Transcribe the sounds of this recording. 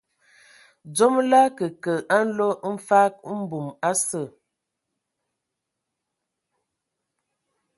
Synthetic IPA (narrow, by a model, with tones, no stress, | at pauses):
d͡zo˦mla˦kə˨kə˨ʔa˦n̩˦lo˦m̩˦fa˦k̚m̩˦bu˨ma˦sə˦˨